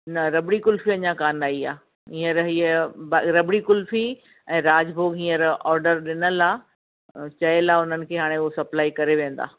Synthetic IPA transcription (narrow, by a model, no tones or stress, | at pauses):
nɐɾɐbɽikʊlfiɐɲãkaːnaːiaː | ɦĩːəɾɦiːəbaɾɐbɽikʊlfi | ɛ̃ːɾaːd͡ʑbʱoːɡɦĩːəɾɔːɾɖəɾɗɪnəlaː | t͡ɕɐəlaːʊn̤ənɪ̆kʰeːɦaːɽ̃eʊɦosɐplaːikɐɾeʋẽːn̆d̪a̰ː